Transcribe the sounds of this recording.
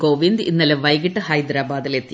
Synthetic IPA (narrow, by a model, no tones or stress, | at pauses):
koːʋind̪inːɐleʋɐjɣiʈːɨhɐjd̪ɾaːbaːd̪ilet̪ːi